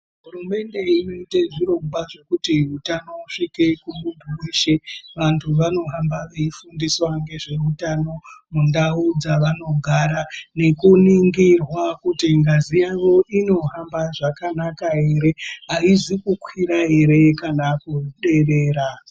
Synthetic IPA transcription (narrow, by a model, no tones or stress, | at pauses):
ɦurume̞nde̞ino̞iteʐiɾo̞mɡwaʐe̞kutiutano̞uʂike̞kumumbuweʃe̞ʋantʰuʋano̞ɦambaʋeifundiswaŋɡe̞ʐe̞utano̞mundaud͡zaʋano̞ɡʱaɾane̞kuniŋɡirwakutiŋɡazijaʋo̞ʔino̞ɦambaʐakanakaɦe̞ɾe̞aizikukwiɾae̞ɾe̞kanakuɗe̞re̞ːɾa